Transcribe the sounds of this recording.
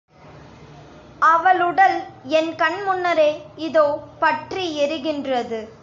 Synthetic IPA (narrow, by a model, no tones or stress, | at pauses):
ɐʋɐlɯɽɐlɛnkɐɳmʊnːɐɾeːɪðoːpɐʈriɛɾɯɣɪndrɐðɯ